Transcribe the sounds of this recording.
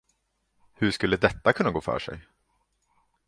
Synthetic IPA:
hɵʂkɵlːəd̪ɛt̪ːakʰɵnːaɡoːfœ̰ːʂɛ̰j

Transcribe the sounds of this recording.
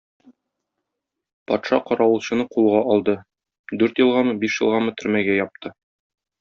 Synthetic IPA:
pɒt̪ʃɑqɒɾɑwɤ̆lˠɕɤ̆nɤqulˠʁɑʔɒlˠd̪ɤ | d̪ʉɾt̪jɤ̆lˠʁɑmɤbiʃjɤ̆lˠʁɑmɤt̪ʰɵ̆ɾmæɡæjɒp̚t̪ʰɤ

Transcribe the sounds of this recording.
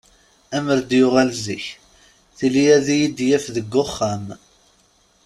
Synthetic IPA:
æməɾd̪jʊʁælziç | θilijæðijid̪jæfðəɡːʊχːæm

